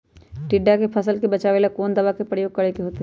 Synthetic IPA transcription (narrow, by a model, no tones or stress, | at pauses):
ʈiɖːakepʰəsəlkebɐt͡ʃaːʋeːlakoːnd̪ɐʋakepɾəjoːɡ̚kɐɾekeɦoːt̪e